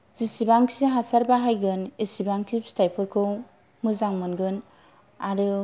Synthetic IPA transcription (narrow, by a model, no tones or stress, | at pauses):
z̥isibaŋkʰiɦasaɾbaɦajɡɯnisibaŋkʰipstajpʰɯɾkʰɯw | mɯzaŋmɯnɡɯn | aɾɯ